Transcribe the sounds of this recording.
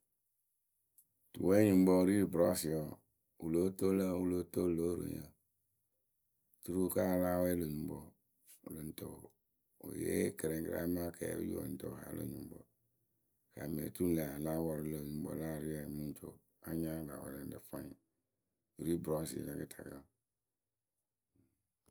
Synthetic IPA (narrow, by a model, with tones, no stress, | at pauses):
tu˨we˦ɲũ˨m˦bɔ˦ɾi˦ɾbɾɔ˦si˨wɔ˨ | u˨lo˦to˦le˦wu˦lo˦to˦˨lo˦ɾo̰˨ɲ˨˦ə̰˨ | tu˦ɾu˦˨ka˦˨la˦wɔ˦e˦lo˨ɲũ˨m˦bɔ˦˨ | lo˨n̩˦to˦o˨ | o̰˨jḛ˦ke˨ɾẽ˨kɾa̰˦mã˦kʰḛ˨˦jṵ˦o̰˨n̩˦to˦˨ɦa̰˨˦lʔo̰˨ɲũ˨m˦bɔ̰˨ | ka˨mḛ˨t̪ɾu˦le˨a˨la˦wɔ˨ɾi˨˦lo˨ɲũ˨˦bo̰˨˦la˦˨ɾi˦a˨mũ˦n˦t͡ʃo̰˦ | a˦ɲã˦la˨wa̰˨le˨n˦de˨fã˦ɲ˨ | o˨ɾi˦bɾɔ˦sḭ˨ɲã˨ke˦tʰa˨kḛ˦˨